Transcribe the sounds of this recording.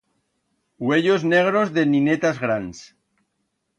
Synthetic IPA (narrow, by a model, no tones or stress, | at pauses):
we̞ʎozne̞ɣ̞ɾo̞zðe̞ninet̪azɣɾans